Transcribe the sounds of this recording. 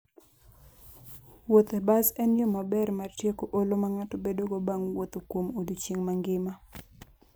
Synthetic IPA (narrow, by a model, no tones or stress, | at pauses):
wot̪ɛbazɛnjɔmabɛrmartjekoʔolomaŋatobedoɡobaŋwot̪okwomodut͡ʃeŋmaŋɡɪma